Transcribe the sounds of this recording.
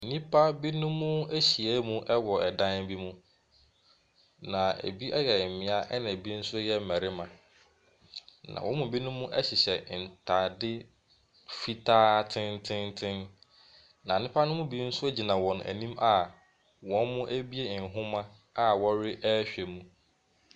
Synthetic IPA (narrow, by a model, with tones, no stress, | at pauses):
nĩ˦pʰa˦bi˦nʊ̃˦mʊ̃˦æ˦ɕi˨ɛ˦mũ˦ʔɛ˦wɔ˨ɛ˨dã˦nbi˦mũ˦ | nã˨æ̰˨bi˦ʔɛ˦jɛ˨mɪ̃˨˦a˦ʔɛ˦nã˨bi˦n̩˦sʊ˦jɛ˦mæ˨ɾɪ˦mã˨ | nã̰˨wʔɔ̃˦mʊ̃˨bi˦nʊ̃˦mũ˦ʔɛ˦ɕɪ˨ɕɛ˨n̩˨tʰa˨dɪ˦ | fi˦tʰaː˦tʰɪ̃˦ntʰɪ̃˦ntʰɪ̃˦n | nã˨nɪ̃˦pʰa˦nʊ̃˦mʊ̃˦bi˦n̩˦sʊ˦æ˦d͡ʑi˨nã˨wɔ̃˨næ̰˨nĩ˦ma˦˨ | wɔ̃˦nmʊ̃˦ʔæ˦bi˦e˦˨n̩˨ɦʊ̃˦mã˦ | a˦wɔ˦ɾɪ˦ʔɛ˦ɕᶣɛ˨mũ˦